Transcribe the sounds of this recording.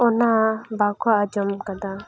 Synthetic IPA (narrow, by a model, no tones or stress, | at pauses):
ɔnabakaːd͡ʒɔmkad̪a